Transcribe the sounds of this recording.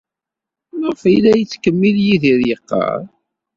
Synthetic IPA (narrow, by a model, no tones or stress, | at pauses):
nʁəfilæjət͡sːkəmːiljiðiɾjəqːɑ̰ɾˤ